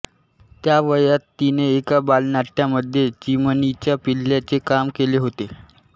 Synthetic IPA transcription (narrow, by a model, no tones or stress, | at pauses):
t̪jaʋəjat̪ːineːkabalnaʈːjaməd̪ʱjet͡ɕimənit͡ɕjapilːjat͡sekamkeleɦot̪e